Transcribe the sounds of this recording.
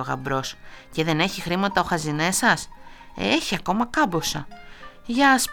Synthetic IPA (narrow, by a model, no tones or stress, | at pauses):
oɣɐ̰bɾo̞sce̞ðe̞ne̞çixɾimɐt̪ɐo̞xɐzinesɐseçiɐko̞mɐkɐbosɐ̰ | ʝɐs